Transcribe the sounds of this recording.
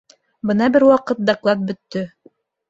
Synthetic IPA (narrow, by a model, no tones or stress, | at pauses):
bɤnɑbɘɾwɑqɤt̪̚d̪ɑklˠɑt̪̚bɵ̆t̪ːɵ